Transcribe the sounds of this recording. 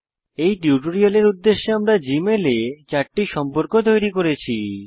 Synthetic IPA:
ejʈuʈoɾioleɾud̪ːeʃːeamɾad͡ʑimelet͡ɕaɾʈːiʃɔmpoɾkot̪ojɾikoɾet͡ɕʰi

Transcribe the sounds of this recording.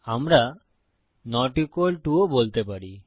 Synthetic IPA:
amɾa | nɔʈikolʈuobolt̪epaɾi

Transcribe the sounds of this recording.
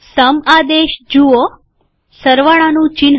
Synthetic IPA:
səmad̪eʃd͡ʒuo | səɾʋaɭanũt͡ʃin

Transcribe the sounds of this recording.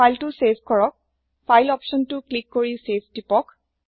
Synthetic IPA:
ajltusepʰkɔɹɔk̚ | pʰajlɔpsʃɔntʊklikːoɹisepʰtipɔk

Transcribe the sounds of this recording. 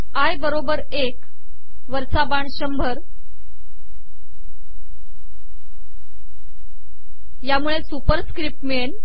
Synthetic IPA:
ajbəɾobəɾ | ek | ʋəɾsabaɳɕəmbʱəɾ | jamuɭesupəɾskɾip̚ʈmeɳ

